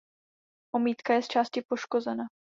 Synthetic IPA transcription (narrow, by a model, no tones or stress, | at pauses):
ʔo̞miːt̪kajɛst͡ʃaːscɪpo̞ʃko̞zɛna